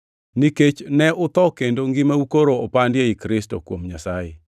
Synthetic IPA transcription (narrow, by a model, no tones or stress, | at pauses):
niket͡ʃnɛʔʊt̪ɔkendoŋɡɪmaukoɾoːpandjeikɾɪsto̰kwomɲasajḛ